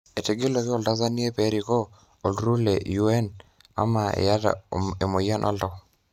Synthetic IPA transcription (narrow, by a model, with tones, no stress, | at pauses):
e˨te˨ɡe˦lo˨kɪ˦ɔ˦˨lda˦za˦ni˦e˦pe˦ɾi˨kɔ˦ | o˨lɾu˦le˨ju˦ɛ˦n | a̰˨˦ma˨ḛ˨ja˦ta̰e˨mo˨ja˦nʔɔ̰˦lɔ˦